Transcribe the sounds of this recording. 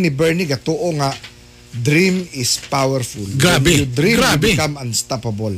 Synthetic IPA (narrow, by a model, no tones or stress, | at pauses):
nɪbɛɹniɡɐt̪oʔoŋa | d̪ɾimɪspawɛɹfulɡaanbud̪ɾiɡɾabɪkamɐnst̪apɐbol